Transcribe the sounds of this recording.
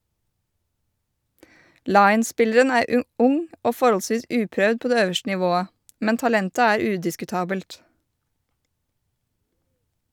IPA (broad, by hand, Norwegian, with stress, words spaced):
ˈlɑɪn̩ˌspɪləɾən ˈæːɾ ə ˈʔʊŋ ˈoː ˈfɔɾhɔlˌsʋiːs ˈʉːpɾœd ˈpoː ˈdeː ˈøːʋəʃtə nɪˈʋoːə ˈmɛn tɑˈlɛntə ˈæːɾ ˈʉːdɪskʉˌtɑːbəlt